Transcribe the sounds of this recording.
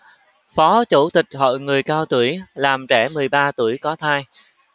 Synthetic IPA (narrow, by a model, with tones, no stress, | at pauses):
fɔ˨˦t͡ɕu˧˩t̪ï˨˩k̟̚ɦɔ̰˧˨jŋɨ˨˩əjkaː˧wt̪u˧˩əjlaː˨˩mt͡ɕɛ˧˩mɨ˨˩əjɓaː˧t̪u˧˩əjkɔ˨˦t̪ʰaː˧j